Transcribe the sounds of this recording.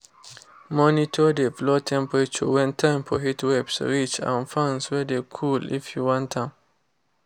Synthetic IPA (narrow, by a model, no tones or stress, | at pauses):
mɔnitʰɔdeflɔtʰɛ̃mpəɹet͡ʃɔ̰wɛ̃ntʰãɪ̃mfɔɦitwɛpsɹit͡ʃã̰nfãnswɛdekʰulḭfjuwɔ̃ntʰãm